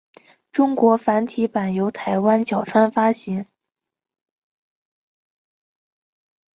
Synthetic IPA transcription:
ʈ͡ʂʊ˥ŋkwɔ˧˥fa˧˥nt̪ʰi˧˥pa˨˩njo˧˥ʊt̪ʰa˧˥ɪwa˥nt͡ɕjɑ˨˩ʊʈ͡ʂʰwa˥nfa˥ɕi˧˥ŋ

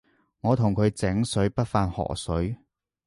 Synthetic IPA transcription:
ŋɔː˨˧t̪ʰʊ˨˩ŋkʰɵ˨˧ɥt͡sɪ˨˥ŋsɵ˨˥ɥpɐ˥t̚faː˧nhɔ̰ː˨˩ksɵ˨˥ɥ

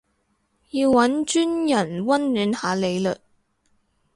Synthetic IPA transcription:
ji˧wwɐ˨˥nt͡ʃyː˥njɐ˨˩nwɐ˥nːyː˨˥nhaː˨˧le˨˧jlɵ˨k̚

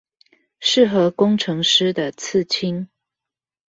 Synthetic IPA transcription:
ʂɻ̩˥˨xə˨˦kʊ˥˦ŋʈ͡ʂʰɤ˨˧˦ŋʂɻ̩˥d̪ə˨t͡s̩ʰ˥˨t͡ɕʰi˦ŋ

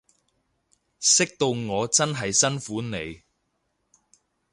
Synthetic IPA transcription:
sɪ˥k̚t̪o˧wŋɔː˨˧t͡sɐ˥nɦɐ˨jsɐ˥nfuː˨˥ne˨˧j

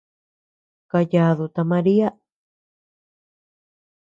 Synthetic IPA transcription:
ka˧ja˧ðu˨t̪a˧mã˧ɾi˦a˦

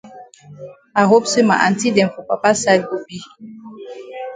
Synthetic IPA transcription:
a˨ɦo˦psɪ˦ma̰˨ʔa̰˨n̩˨ti˦de˨fʊ˨pa˨pa˦sa˦d̚bo˦bi˦

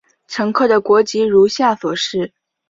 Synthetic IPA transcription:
ʈ͡ʂʰɤ˧˥ŋkʰɤ˥˩d̪ə˩kwɔ˧˥t͡ɕi˧˥ɻu˧˥ɕja˥˩swɔ˨˩ʂɻ̩˥˩

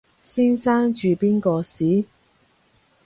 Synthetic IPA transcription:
siː˥nsaː˥ŋt͡ʃyː˨piː˥nkɔː˧siː˨˥

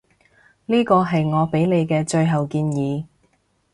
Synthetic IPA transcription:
liː˥kɔː˧ɦɐ˨jŋɔː˨˧pe˨˥jle˨˧jkɛː˧t͡ʃɵ˧ɥɦɐ˨wkiː˧njiː˨˧˦

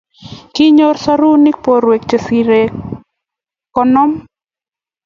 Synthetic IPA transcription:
kɪ˦ɲo˦ɾsa˦ɾu˦nɪ˦k̚po˨ɾwe˨k̚t͡ʃe˨si˨ɾe˨ | kɔ˦nɔ˦m

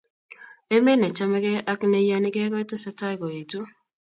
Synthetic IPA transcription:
e˦me˦nɛ˨t͡ʃa˦mɛ˦ɡɛ˦a˦knɛ˦ja˦nɪ˦ɡɛ˦kɔ˦ɛ˦to˦sa˦ta˦ɡɔ˨e˨tu˦

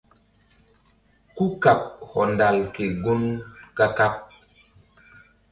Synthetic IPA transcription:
ku˦ka˨p̚hɔ˨nda˨lke˨ɡu˦nka˦ka˦p̚

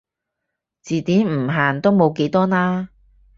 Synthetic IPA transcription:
t͡siː˨t̪iː˨˥nm̩˨˩ɦaː˨nt̪o˥wmo˨˧wke˨˥jt̪ɔː˥naː˥

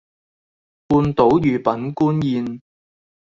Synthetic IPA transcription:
puː˧nt̪o˨˥wjyː˨˩pɐ˨˥nkuː˥njiː˨˧n

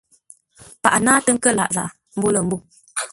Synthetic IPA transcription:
pa˨ʔa˨naː˦tə˦ŋ̩˦kə˦la̰˨ʔza̰˨ʔ | m̩˦bu˦lə˨m̩˦bu˦˨

